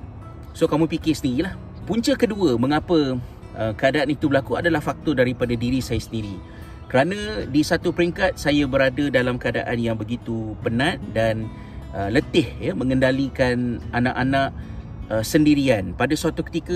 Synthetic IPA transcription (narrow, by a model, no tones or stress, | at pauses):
sokamũpikɪsəniɾilah | puɲt͡ʃəkəduəmə̃ŋapə | ʔəkəadaʔanit̪ubəlakua̰dalahfak̚t̪ɔdaɾipadadiɾisajasəndiɾi | kəɾanãdisat̪upəɾiŋkat̪̚sajabəɾadadalamkəada̰ʔanjaŋbəɡit̪upənãt̪̚dan | ʔələt̪ɪhjəmə̃ŋəndalikananãʔanaʔ | əsəndiɾianpadasəat̪ukə̥t̪ikə